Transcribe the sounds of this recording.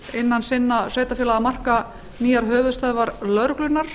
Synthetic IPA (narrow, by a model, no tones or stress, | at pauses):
ɪnːansɪnːasɛːjt̪afjɪːlaamar̥ka | niːjaɾɦœːvʏðst̪œːðvaɾlœɾklʏnaɾ̥